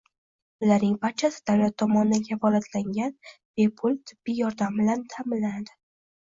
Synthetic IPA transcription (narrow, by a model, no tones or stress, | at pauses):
ʊlaɾnɪŋbaɾt͡ʃʰasɪ̥d̪̥awlat̪ʰːɒmɒnd̪ankʲʰafɒlat̪laŋɡʲanb̥e̞pʰʊlˠt̪ʰɪbːɪjɒɾd̪ambɪlant̪ʰamɪlːanad̪ɪ